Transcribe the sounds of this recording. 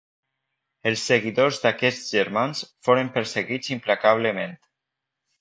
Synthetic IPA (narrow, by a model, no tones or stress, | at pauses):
elˠsːeɣiðozd̪akɛʒəɾmansfoɾəmpəɾseɣit͡simplakaβ̞ləment̪